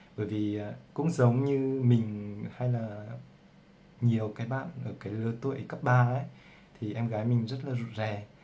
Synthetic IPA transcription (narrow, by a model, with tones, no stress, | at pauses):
ɓəː˧˩jvi˨˩ʔaː˨˩kʊ̰˧˥ŋ͡mzə˨˦wŋ͡mɲɨ˧mï˨˩ŋ̟ha˧jlaː˨˩ | ɲi˨˩əwkaː˨˦jɓa̰ː˧˨nʔəː˧˩kaː˨˦jləː˧t̪u˧˩˨ʔə˦kə˦˥p̚ɓaː˧ʔə˨˦j | t̪ʰi˨˩ʔɛ˧mɣaː˨˦jmï˨˩ŋ̟zə˦˥t̚laː˨˩zṵ˧˨tzɛ˨˩